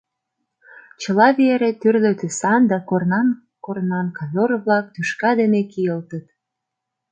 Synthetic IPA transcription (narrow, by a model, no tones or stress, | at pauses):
t͡ɕəlɑβeɾet̪yrløt̪ysɑnd̪ɑkornɑn | kornɑnkɑβʲorβlɑk̚t̪yʃkɑd̪enekijəlt̪ət̪